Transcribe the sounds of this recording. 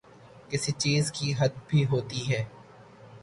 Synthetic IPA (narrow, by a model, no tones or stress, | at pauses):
kɪsit͡ʃiːzkiɦɐd̪bʱiɦoːt̪iɦɛː